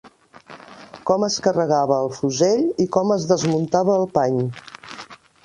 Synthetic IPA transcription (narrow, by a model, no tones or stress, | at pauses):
kɔməskərəɣaβəːlˠfuzeʎikɔməzðəzmunt̪aβəːlˠpaɲ